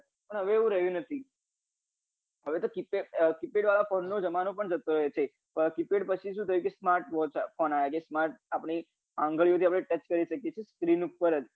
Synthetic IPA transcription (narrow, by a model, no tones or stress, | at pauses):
pəɳɦəʋeːʋũɾəɦjũnət̪ʰi | ɦəʋet̪okipekipeɖʋalafonːod͡ʒəmanopəɳd͡ʒət̪oɾəɦet͡ʃʰe | əkipeɽpət͡ʃʰiʃũt̪ʰəjũkesmaɾʈʋɔt͡ʃfonajakesmaɾʈ̚apɽ̃i | ãŋɡəɭijõt̪ʰiapɽ̃ẽʈət͡ʃkəɾiʃəkjet͡ʃʰeskɾinupːəɾəd͡ʒ